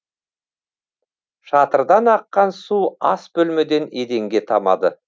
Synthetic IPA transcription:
ʃɑt̪əɾd̪ɑnɑqːɑnsuɑsbɵlmed̪e̞ned̪e̞ŋɡʲe̞t̪ʰɑmɑ̰d̪ə

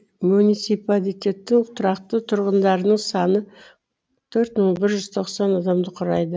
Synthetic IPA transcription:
munit̪sipalit̪ʲe̞t̪ːɪŋʊt̪ʰɾɑqt̪ət̪ʰʊɾʁənd̪ɑɾənəɴsɑnə | t̪ʰɵɾt̪məɴbɪɾʒʏz̥t̪ʰo̞qsɑnɑd̪ɑmd̪əqʰʊɾɑjd̪ə

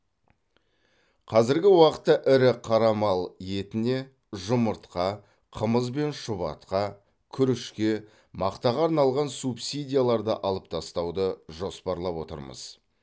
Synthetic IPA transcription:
qʰɑzɪɾɡʲɪwɑqə̥t̪ːɑʔɪɾɪqʰɑɾɑmɑlˠje̞t̪ɪne̞ | ʒʊməɾt̪qɑ | qʰəməzbe̞nʃʊβɑ̰t̪̚qɑ | kʲʰʏɾɪʃkʲe̞ | mɑqt̪ɑʁɑːɾnɑlˠʁɑnsupsid̪ʲijalˠɑɾd̪ə̰ʔɑlˠəp̚t̪ʰɑst̪ɑwd̪əʒo̞spɑɾlˠɑpwo̞̰t̪ə̰ɾmə̰z̥

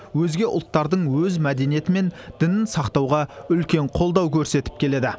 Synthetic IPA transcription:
wɵzɡʲe̞ʔʊlˠt̪ːɑɾd̪əɴwɵzmæd̪e̞nije̞t̪ɪme̞nd̪̥ɪnɪnsɑqt̪ɑwʁɑʏlkʲe̞ɴqʰo̞lˠd̪ɑwkʲʰɵɾse̞t̪ɪ̥p̚kʲʰe̞le̞d̪ɪ

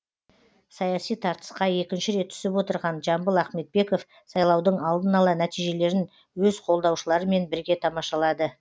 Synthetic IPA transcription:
sɑjɑsijt̪ʰɑɾt̪ə̥sqɑje̞kʲɪnʃɪɾe̞t̪ʰːʏ̥sɪpwo̞t̪əɾʁɑnʒɑmbəlˠæχme̞t̪̚be̞ko̞f | sɑjlˠɑwd̪əɴɑlˠd̪ənɑlˠɑnæt̪ijʒe̞le̞ɾɪn | wɵzqʰo̞lˠd̪ɑwʃəlˠɑɾəme̞nbɪɾɡʲe̞t̪ʰɑmɑʃɑlˠɑd̪ə

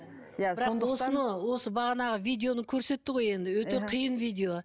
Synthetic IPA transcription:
jɪɾɑwo̞sənəwo̞səbɑʁɑnɑʁəvijd̪ʲe̞o̞nəkʲʰɵɾse̞t̪ːɪʁo̞je̞nd̪ɪwɵt̪e̞qʰijənvijd̪ʲe̞o̞

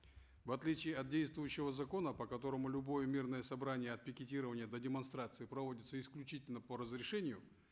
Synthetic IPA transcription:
vɐt̪lʲit͡ɕɪːɐt̪̚dʲejst̪vʊjʉɕːɪvəzɐko̞nəpəkɐt̪o̞ɾəmʊlʲʊbo̞jəmʲirnəjəsɐbɾanʲɪjəɐt̪̚pʲɪkʲɪtʲiɾəvənʲɪjəd̪ədʲɪmɐnst̪ɾat̪sɨɪpɾɐvo̞dʲɪt̪səɪsklʲʉt͡ɕitʲɪlʲnəpəɾəzɾʲɪʂɛnʲɪjʊ

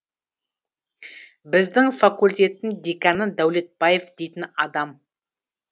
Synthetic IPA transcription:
bɪzd̪ɪŋfakulʲt̪ʲe̞t̪ɪnd̪ekanəd̪æwle̞t̪̚b̥aje̞fd̪e̞jt̪ɪnɑd̪ɑm

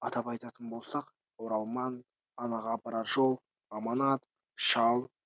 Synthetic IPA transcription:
ɑt̪ɑpɑjt̪ɑt̪ənbo̞lˠsɑq | oɾɑlˠmɑn | ɑnɑʁɑɑpɑɾɑt̪ʒolˠ | ɑmɑnɑt̪ | ʃɑlˠ

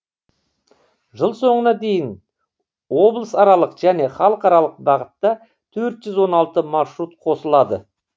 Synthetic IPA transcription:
ʒəlˠso̞ɴənɑd̪e̞jɪn | wo̞blˠəsɑɾɑlˠəqʒæne̞χɑlˠəqɑɾɑlˠəq̚bɑʁət̪ːɑ | t̪ʰɵɾt̪ʒ̥ʏzwo̞nɑlˠt̪əmɑʃɾut̪qʰo̞səlˠɑd̪ə̰

